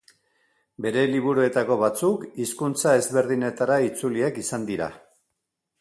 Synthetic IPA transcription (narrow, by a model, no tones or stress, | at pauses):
be̞ɾe̞liβ̞uɾue̞t̪ako̞βat͡sukiskunt͡sae̞zβe̞ɾðine̞t̪aɾait͡suliekisand̪iɾa̰